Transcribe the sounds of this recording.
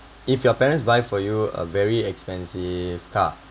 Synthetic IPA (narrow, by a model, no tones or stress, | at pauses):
ifjɔpɛɹə̃ntsbajfɔjuə̰vɛɹiɛkspɛ̃nsiv̥kʰa̰